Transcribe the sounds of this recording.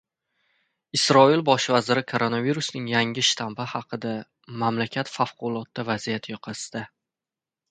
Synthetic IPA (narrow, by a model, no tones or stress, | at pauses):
ɪsɾɒilbɒʃvazɪɾɪkʰo̞ɾo̞naviɾusnɪŋjaŋɪʃt̪ʰambɪhɑqʰɨd̪a | mamlakʲʰat̪fafqʰʊlˠɒt̪ːavazijat̪ʰjɒqʰɑsd̪a